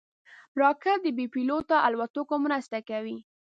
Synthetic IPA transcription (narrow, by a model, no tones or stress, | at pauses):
ɾɑkad̪əbipilot̪aʔalwat̪okomɾast̪akawi